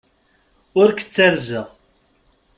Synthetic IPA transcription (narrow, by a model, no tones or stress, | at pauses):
ʊɾkə̥t͡sːæɾzəʁ